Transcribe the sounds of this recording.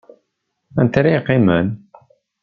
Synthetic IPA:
ænt̪ɾiqːimən

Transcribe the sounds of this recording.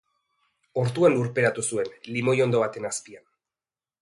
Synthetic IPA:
o̞ɾt̪uanuɾpe̞ɾat̪usue̞nlimo̞jo̞nd̪o̞βat̪e̞naspian

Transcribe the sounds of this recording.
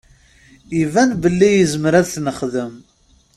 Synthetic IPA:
ivænbəlːijəzməɾæðθnəχðəm

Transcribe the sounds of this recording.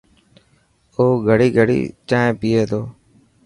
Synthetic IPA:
oːɡʱəɽiːɡʱəɽḭːt͡ʃãːẽːpɪːeːt̪oː

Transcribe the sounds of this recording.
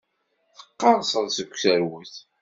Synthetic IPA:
θə̥qːɑɾˤsˤəðˤsəkʷːsəɾwəθ

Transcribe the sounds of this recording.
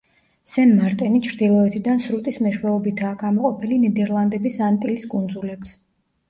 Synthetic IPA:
sɛnmaɾt̪ʼɛnit͡ʃʰɾd̪ilˠɔɛt̪ʰid̪ansɾut̪ʼismɛʃwɛɔbit̪ʰaːɡamɔqʼɔpʰilinɛd̪ɛɾlˠand̪ɛbisant̪ʼiliskʼund̪zulɛps

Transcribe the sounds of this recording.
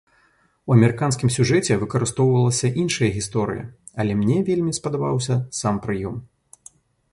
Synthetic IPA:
uɐmʲɛɾɨkanskʲimsʲuʐɛt͡sʲɛvɨkɐɾɨst̪ɔwvɐlˠɐsʲɐʔinʂɐjɐɣʲist̪ɔɾɨ̰jɐ̰ | ɐlʲɛmnʲɛvʲelʲmʲispɐd̪abawsʲɐsampɾɨjɔm

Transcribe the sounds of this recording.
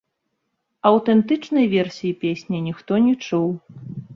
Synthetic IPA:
ɐwt̪ɛnt̪ɨt͡ʂnɐjvʲɛrsʲijipʲesʲnʲɐnʲixt̪ɔnʲɛt͡ʂuw

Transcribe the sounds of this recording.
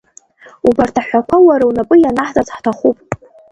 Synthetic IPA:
ubartʰaħʷakʷʰawaɾawnapʼɨjanaħzʼat͡sʰʼħtʰaχupʼ

